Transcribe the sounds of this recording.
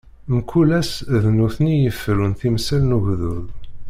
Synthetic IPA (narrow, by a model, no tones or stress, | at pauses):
mkːulæsðnuθnijəfːɾunθimsælnuʝðuð